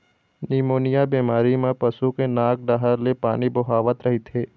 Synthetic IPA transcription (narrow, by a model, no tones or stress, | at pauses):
niːmoːnɪjabiːmaːɾimẽpɐsukenaːk̚ɖaːɦəɾlepaːnibʊɦaːʋət̪ɾɐɦit̪ʰeː